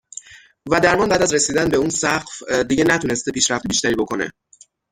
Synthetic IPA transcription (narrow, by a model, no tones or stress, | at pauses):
væd̪æɾmɒnbæːd̪æzɾesiːd̪ænbe̞uːnsæɢfd̪iɟe̞næt̪ʰune̞st̪epʰiːʃɾæft̪biːʃt̪æɾiːbo̞kʰo̞ne̞̰